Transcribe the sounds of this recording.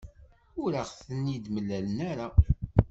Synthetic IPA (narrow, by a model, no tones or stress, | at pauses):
ʊɾaʁθənːid̪məlːælənaɾa